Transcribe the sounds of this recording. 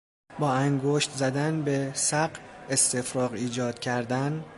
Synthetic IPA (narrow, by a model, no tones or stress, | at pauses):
bɒːæŋɡoʃt̪zæd̪ænbe̞sæɢest̪e̞fɾɒːɣiːd͡ʒɒːd̪̥cʰæɾd̪æn